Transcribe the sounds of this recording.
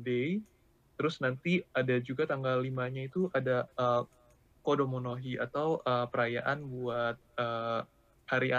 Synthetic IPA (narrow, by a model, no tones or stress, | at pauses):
de | t̪əɾʊsnant̪iadad͡ʒuɡat̪aŋɡalːimaɲait̪uʔadaə | kodomonoɦia̰t̪awʔəːpəɾaja̰ʔanbuat̪̚əː | haɾia